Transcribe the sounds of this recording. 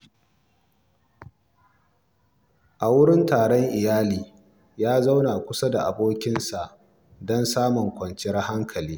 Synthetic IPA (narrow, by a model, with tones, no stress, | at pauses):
ʔa˨wʊ˦ɽɪ˦ntaː˨ɽɔ˦ŋʔɪ˨jaː˦liː˨ | jaː˦za˦wna˨kʷʊ˦sa˦da˨ʔa˨boː˦kʲɪ˦nsa˨ʔ | dɔ˦nsaː˦mʊ˨ŋkʷɐ˨nt͡ʃɪ˦ɐ˦ha˦ŋkʰɐ˨liː˦